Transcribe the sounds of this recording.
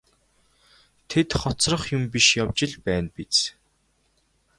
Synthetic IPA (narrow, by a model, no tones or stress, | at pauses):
t̪ʰet̪χɔt͡srə̆χjʊmpiʃjawt͡ɕɪ̆ɮpæːnpit͡s